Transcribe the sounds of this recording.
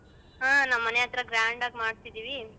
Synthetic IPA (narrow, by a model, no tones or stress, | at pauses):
ɦãːnawmːɐnjaːt̪ɾɐɡɾaːɳɖaːɡmaːɖt̪id̪iːʋi